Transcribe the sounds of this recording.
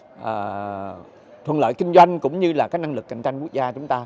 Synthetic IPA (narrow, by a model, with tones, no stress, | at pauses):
ʔəː˨˩ | t̪ʰwə˨˩nlə̰ː˧˨jki˧ŋ̟zwa˧jŋ̟kʊ̰˧˥ŋ͡mɲɨ˧laː˨˩kaː˦˥k̚na˧ŋlɨ˨˩k̚ːa˧˩jŋ̟t͡ɕa˧jŋ̟ku˦˥ək̚zaː˧t͡ɕʊ˨˦ŋ͡mt̪aː˧